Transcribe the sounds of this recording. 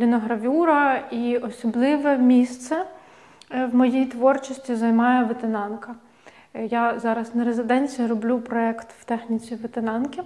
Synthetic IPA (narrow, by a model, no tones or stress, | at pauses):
lʲinɔɦɾɐʋʲuɾɐiɔsɔblˠɪʋɛmʲist̪sɛ | wmɔjijt̪ʋɔrt͡ʃɔsʲtʲizɐjmɑjɛʋet̪enɑnkɐ | jazɑɾɐznɐɾezɪd̪ɛnʲt͡sʲijirɔblʲupɾɔɛkt̪wt̪ɛxnʲit͡sʲiʋet̪enɑnkʲɪ